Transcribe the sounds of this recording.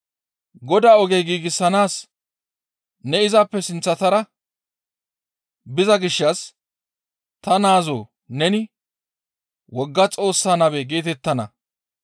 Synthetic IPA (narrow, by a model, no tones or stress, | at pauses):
ɡɔd̪aːɔɡɛjɡiːɡɪsːɐnaːs | nɛɪzɐpːɛsɪnt͡sːɐt̪ɐɾɐ | bɪzɐɡɪʃːɐs | t̪ɐnaːzo̰ː | nɛnɪ | wɔɡːɐt͡sʼo̞ːsːaːnɐβɛɡe̞ːt̪ɛt̪ːɐnɐ̰